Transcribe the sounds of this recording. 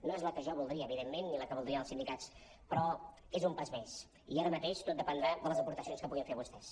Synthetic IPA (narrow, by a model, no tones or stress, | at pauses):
noezləkəʒɔβulˠd̪ɾiəːβiðemːenːiləkəβulˠd̪ɾiəəlˠsind̪ikat͡s | pɾɔ | ezumpazmes | iaɾəmət̪eʃt̪ot̪̚d̪əpənd̪ɾaðələzəpuɾt̪əsionskəpuɣiɱfeɾəβust̪ɛs